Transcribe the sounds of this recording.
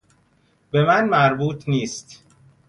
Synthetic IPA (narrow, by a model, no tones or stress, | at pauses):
be̞mænmæɾbuːt̪ʰniːst̪